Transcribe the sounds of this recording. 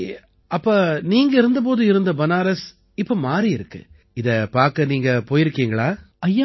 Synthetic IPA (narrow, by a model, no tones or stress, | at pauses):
ʔɐpːoːniːŋɡɐɪɾɯnd̪ɐp̬oːðɯɪɾɯnd̪ɐbɐnaːɾɐs | ɪpːoːmaːɾiɪɾɯkːɯ̰ | ɪðɐpaːɾkɐniːŋɡɐpoːjɪɾɯkːiːŋɡɐɭaː | ɐjːa